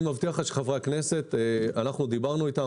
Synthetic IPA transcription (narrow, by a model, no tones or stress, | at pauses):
mavt̪iaχaʃχavʁeakne̞se̞t̪eanaχnud̪ibaʁnuit̪a